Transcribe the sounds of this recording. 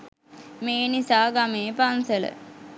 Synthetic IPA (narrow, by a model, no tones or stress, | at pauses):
meːnisaːɡameːpansələ̰